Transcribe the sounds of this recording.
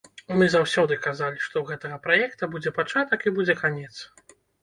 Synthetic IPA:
mɨzawsʲɔd̪ɨkazalʲiʂt̪ɔɣɛt̪ɐɣɐpɾajɛkt̪ɐbud͡zʲɛpat͡ʂat̪ɐkibud͡zʲɛkanʲɛt̪s

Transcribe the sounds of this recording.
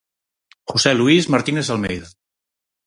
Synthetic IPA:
xusɛluizmaɾt̪inezalˠmɛjða

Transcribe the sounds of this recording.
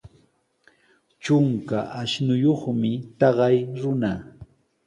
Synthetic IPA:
t͡ʃʊŋkaʔaʃnʊjoχmɪt̪ɑɢɑjɾʊna

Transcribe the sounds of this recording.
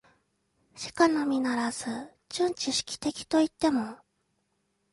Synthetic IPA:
ɕi̥kano̞mʲinaɾasɨ | t͡ɕɨ̃ɲ̟t͡ɕiɕi̥kʲi̥t̪e̞kʲi̥t̪o̞it̪ːe̞mo̞

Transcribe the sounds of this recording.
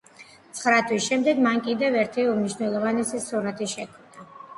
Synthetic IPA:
t̪sʰχɾat̪ʰwisʃɛmd̪ɛɡmankʼid̪ɛvɛɾt̪ʰiumniʃnɛlˠɔvanisisuɾat̪ʰiʃɛkʰmd̪a

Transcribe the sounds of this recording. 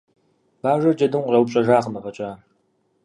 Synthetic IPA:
b̥aːʒʷɐrd͡ʒɐdɨmrɐwpɕʼɐʒaːqəmɐfɐt͡ʃʼaː

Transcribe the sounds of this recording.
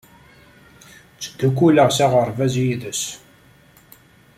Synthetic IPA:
t͡sːə̥d̪̥ːukːuləʁsæʁəɾˤvæzjiðəs

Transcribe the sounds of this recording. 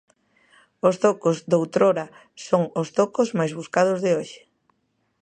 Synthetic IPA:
ost̪okozd̪owt̪ɾoɾɐ | soŋost̪okozmajzβuskað̞ozðɪoʃɪ̥

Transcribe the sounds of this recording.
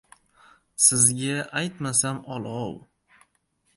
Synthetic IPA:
sɪzɡʲaʔajt̪masamɒlˠɒw

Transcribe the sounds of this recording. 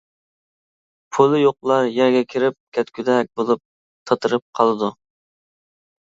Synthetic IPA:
pʰulˠɨjoqlˠɑɾjɛɾɡʲɛkʲʰiɾɪp̚kʲʰɛt̪kʲyd̪ɛk̚ʲbolˠup̚ | t̪ʰɑt̪ʰɨɾɨp̚qʰɑlˠɨd̪u

